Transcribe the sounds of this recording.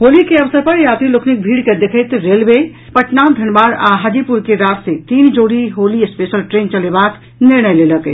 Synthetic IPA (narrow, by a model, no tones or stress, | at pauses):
ɦolikeəʋəsəɾpəɾjat̪ilokʰnik̚bʱiɽked̪ekʰəjt̪ɾelbe | pəʈnand̪ʱənbaɾa̰ɦad͡ʒipuɾkeɾat̪set̪ind͡ʒoɽiɦoliespesəlʈɾent͡ʃəlebak | niɾnəjleləkə